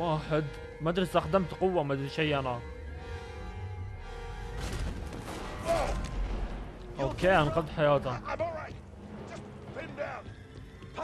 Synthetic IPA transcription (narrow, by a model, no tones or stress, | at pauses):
waːħəd̪ | mad̪ɾɪsaxd̪amt̪qʊwːamad̪ɾʃajːʔana | ʔokeːanqɑd̪ˤħajaːt̪a | n